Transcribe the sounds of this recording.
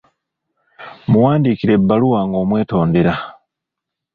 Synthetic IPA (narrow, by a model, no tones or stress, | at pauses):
muwaːndikiɾe̞bːaluwaːŋɡo̞ːmwe̞ːto̞ːndeɾa